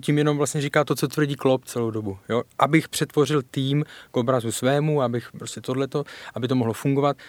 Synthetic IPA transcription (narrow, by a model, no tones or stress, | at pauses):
cimjɛno̞mvlastɲɛrikaːt̪ot͡so̞t̪vr̩ɟiːklopt͡sɛlowdobujoʔabɪxpr̝̥ɛt̪vo̞r̝ɪlt̪iːmkʔo̞bɾazusvɛːmuabɪxpɾo̞scɛt̪o̞dlɛt̪o̞ʔabɪt̪o̞moɦlofuŋɡo̞vat̪̚